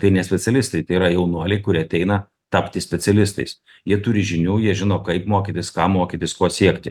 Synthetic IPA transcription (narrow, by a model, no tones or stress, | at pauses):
t̪ɐɪnʲɛsʲpʲɛsʲɛlʲɪst̪ɐɪt̪ɐɪiɾɐjɛʊnuɔlʲɛɪkʊɾʲiːɐt̪ʲɛɪnɐ | t̪ɑpʲt̪ʲɪsʲpʲɛtsʲɛlʲɪst̪ɐ̰ɪs | jiɛt̪ʊɾʲɪʒʲɪnʲuːjiɛʒʲɪnoːkɐɪpmoːkʲit̪ʲɪskɑːmoːkʲit̪ʲɪskoːsʲiɛkt̪ʲɪ